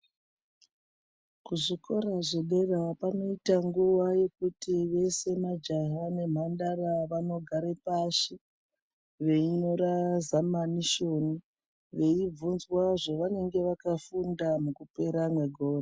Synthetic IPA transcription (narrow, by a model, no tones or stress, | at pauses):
kuʐiko̞ɾaʐeɗe̞rapano̞itaŋɡuʋaje̞kutiʋe̞se̞mad͡ʒaɦane̞m̤andaraʋano̞ɡʱaɾepaʃi | ʋe̞ino̞ɾazamaniʃo̞ni | ʋe̞ib͡vunzwaʐoʋane̞ŋɡe̞ʋakafundamukupe̞ɾamwe̞ɡʱoːra